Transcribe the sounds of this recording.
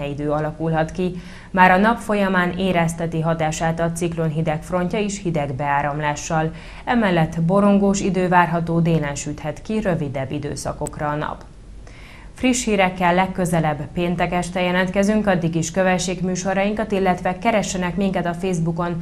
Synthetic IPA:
ɛid̪øːɒlɒkulɦɒt̪ki | maːɾɒnɒpfo̞jɒmaːneːɾɛst̪ɛt̪iɦɒt̪aːʃaːt̪ɒt̪siklonɦid̪ɛkfro̞ɲcɒiʃhid̪ɛɡbɛaːɾɒmlaːʃːɒl | ɛmɛlːɛt̪ːbo̞ɾo̞ŋɡoːʃid̪øːvaːrɦɒt̪oːd̪eːlɛnʃyːt̪hɛt̪kiɾø̞vid̪ɛbːid̪ø̰ːsɒ̰ko̞krɒːnɒ̰p | friʃhiːɾɛkːɛlːɛkːøzɛlɛbːpeːnt̪ɛkɛʃt̪ɛjɛlɛnt̪kɛzyŋkɒd̪ːiɡiʃkøvɛtt͡ʃːeːɡmyːʃo̞ɾɒjiŋkɒt̪ilːɛt̪ʋɛkɛɾɛʃːɛnɛkmiŋkɛt̪ɒfeːzbuko̞n

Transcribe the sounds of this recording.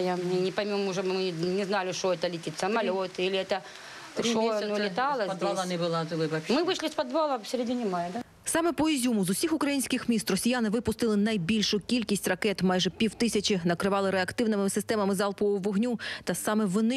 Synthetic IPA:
janʲɪpɐjmʲumuʐobmɨnʲɪznalʲɪʂɔɛt̪ɐlʲɪtʲit̪ʲsɐmɐlʲot̪ilʲɪɛt̪ɐ | ʂonlʲɪt̪ɑlˠɐɐd̪aɐnɪbɨlˠazɨlˠɪɐmɨʋɨʂlʲɪspɐd̪ʋalˠɐsʲɪɾʲedʲinʲɪmajɐd̪a | sɑmɛpɔizʲumʊzʊsʲixʊkɾɐjinʲsʲkʲɪxmʲist̪rɔsʲijanɪʋɪpʊst̪ɪlˠɪnɐjbʲilʲʃʊkʲilʲkʲisʲtʲrɐkɛt̪mɑjʒɛpʲiwt̪ɪsʲɐt͡ʃɪnɐkɾɪʋɑlˠɪɾeɐkt̪ɪwnɪmɪɪsɪst̪ɛmɐmɪzɑlˠpɔʊʋɔɦnʲut̪ɐsɑmɛʋɔnɪ

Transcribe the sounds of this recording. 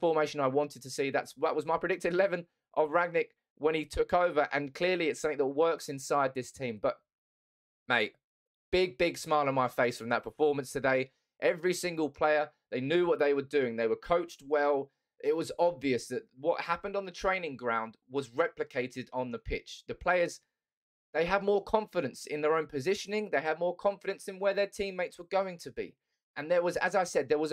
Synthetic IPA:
fəmeɪʃə̃naɪwɑ̃ntɪd̚tʰəsiðæ̰tswəʔwʌzmaɪpʰɹ̥ɨdɪk̚tɪdlɛvə̃n | ʔəvɹæɡ̚nɪk | wə̃ñitʰʊkoʊvə˞ʔə̃nkʰl̥ɪəɹliɪtsʌ̃mθɪ̃ŋðət̚wɜˑ˞ksɪ̃nsaɪd̪̚ðɪstʰĩmbʌʔ̚ | meɪʔ | b̥ɪɡ̚bɪɡsmaɪlˠə̃nmaɪfeɪsfɹə̃mðət̚pʰəfɔːmə̃nstʰɨdeɪ | ʔɛvɹisɪ̃ŋɡəlˠpʰl̥eɪə˞ðeɪnjʉːwʌt̪̚ðeɪwə˞dʉɪ̃ŋðeɪwə˞kʰoʊt͡ʃt̚wɛlˠ | ɪt̚wɒzɒbviəsðəʔ̚wʌʔ̚hapə̃ndn̩ðətʰɹ̥ẽɪ̃nɪ̃ŋɡɹãʊ̃nd̚wʌzɹɛplɨkʰeɪtɪɾn̩ðəpʰɪt͡ʃðəpʰl̥eɪə˞z | ðeɪəd̚mɔːkʰɒ̃ɱfɪɾə̃nsɪ̰̃nðəɹə̃ʊ̃npʰɨzɪʃənɪ̃ŋðeɪəd̚mɔːkʰɒ̃ɱfɪɾə̃nsɨ̃nwəðətʰĩmːeɪtswəɡoʊɪ̃ŋtʰəbḭ | ʔə̃nðəwɒzə̰zaɪsɛd̪̚ðə˞wʌz

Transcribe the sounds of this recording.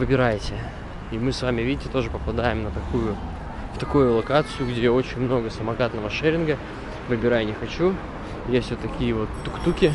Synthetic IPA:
vɨbʲɪɾajɪtʲɪ | imɨsvamʲɪvʲidʲɪtʲɪt̪o̞ʐɨpəpɐd̪ajɪmnət̪ɐkujʊ | ft̪ɐkujʊlˠɐkat̪sɨjʊɡdʲeo̞t͡ɕɪnʲmno̞ɡəsəmɐɡat̪nəvəʂɛɾʲɪnɡə | vɨbʲɪɾajnʲɪxɐt͡ɕu | jesʲtʲvot̪ːɐkʲijəvo̞t̪ːʊkt̪ukʲɪ

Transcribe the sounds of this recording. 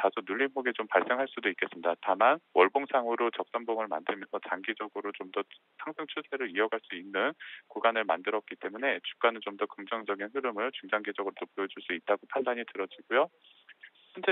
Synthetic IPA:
tasʰunuʎːinpoɡet͡ɕompaɭs͈e̞ŋɦaɭs͈udoik͈̚e̞s͈ɯmidatamanwʔʌɭboŋsʰaŋɦuɾot͡ɕʌk̚s͈ʌnboŋɯɭma̰ndɯɭmjʌnsʰʌt͡ɕaŋɡid͡ʑʌɡɯɾot͡ɕomdʌ | sʰaŋsʰɯŋt͡ɕʰusʰe̞ɾɯɭiʌɡaɭs͈uinːɯnkuɡanɯɭma̰ndɯɾʌt̚k͈it͈e̞mune̞t͡ɕu̥k͈anɯnt͡ɕomdʌkɯŋd͡ʑʌŋd͡ʑʌɡinɸɯɾɯmɯɭt͡ɕuŋd͡ʑaŋɡed͡ʑʌɡɯɾodopojod͡ʑuɭs͈uit̚t͈aɡopʰandaɲitɯɾʌd͡ʑiɡ̥ujo | ɕʰint͡ɕʰe

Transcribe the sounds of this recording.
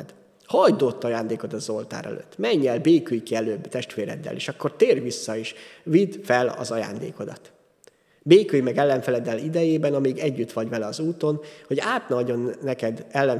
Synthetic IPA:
d̪ | hɒjd̪o̞t̪ːɒjaːnd̪eːko̞t̪ɒzo̞lt̪a̰ːɾɛ̰lø̰t̪ːmɛɲːɛlbeːkyjkiɛløːbt̪ɛʃt̪ʋeːɾɛ̰d̪ːɛ̰lḛːʃɒkːo̞rt̪eːrʋisːɒiʃvid̪fɛlɒ̰zɒja̰ːnd̪ḛːko̞d̪ɒt̪ | beːkyjmɛɡɛlːɛɱfɛlɛd̪ːɛlid̪ɛjeːbɛnɒmiɡɛɟːyt̪ʋɒɟvɛlɛɒzuːt̪o̞nho̞ɟaːt̪nɒɟo̞nːɛkɛd̪ɛlːɛn

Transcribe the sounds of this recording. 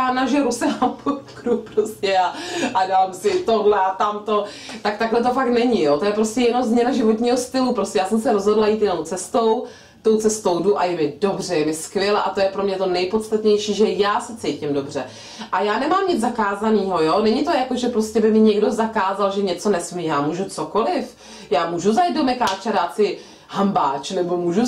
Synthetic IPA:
aːnaʒɪɾusɪnampokɾupɾoscɛaʔadamsɪt̪odlɛat̪amt̪o̞t̪ak̚t̪aɡlɛt̪̬o̞fak̚t̪nɛɲɪjot̪o̞jɛpɾoscɛjɛnomzmɲɛnaʒɪvot̪ɲiːɦost̪ɪlupɾoscʲɛjaːsɛmsɛɾozɦo̞dlajiːt̪jɛno̞wt͡sɛst̪o̞w | t̪o̞wt͡sɛst̪o̞wduʔajɛmɪdo̞br̝ɛjɛmɪskvjɛlɛʔat̪o̞jɛpɾo̞mɲɛt̪o̞nɛjpo̞t̪t͡st̪at̪ɲɛjʃiːʒɛjaːsɛt͡sɛjcɪmdo̞br̝̥ɛ | ʔajaːnɛmaːmɲɪd͡zzakaːzaniːɦojo̞nɛɲɪt̪o̞jakoʒɛpɾoscɛbɪmɪɲɛɡdo̞zakaːzalʒɛɲɛt͡so̞nɛsmijaːmuːʒut͡soko̞lɪf | jaːmuːʒuzajid̪domɛkaːt͡ʃaɾaːt̪t͡sɪ | hambaːt͡ʃnɛbo̞muːʒu

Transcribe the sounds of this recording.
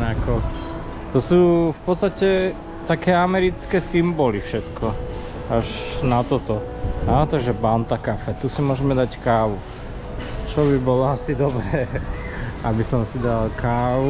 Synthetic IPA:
nakɔ | t̪ɔsuːfpɔt̪st̪acɛ | t̪akɛːamɛɾit͡skɛːsimbɔlifʃɛt̪kʰɔ | aʒnat̪ɔt̪ɔ | at̪aɡʒɛbant̪akafɛt̪usimʊɔʒɛmɛd̪ackaːʋu | t͡ʃɔbibɔlɔasid̪ɔbɾɛː | abisɔmsid̪alkʰaːʋu

